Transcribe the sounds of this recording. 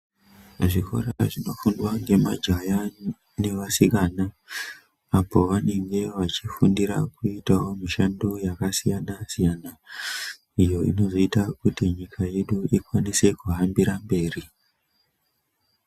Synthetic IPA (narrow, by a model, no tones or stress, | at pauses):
ʐikʰo̞̰ɾaʐino̞fundwaŋɡe̞mad͡ʒaja | ne̞ʋasikana | apo̞ʋane̞ŋɡe̞ʋat͡ʃifundiɾa̰kuitawo̞miʃandojakasijanasijana | ijo̞ḭno̞zoitakutiɲikʰaje̞ɗuikwanise̞kuɦambiɾambe̞ːri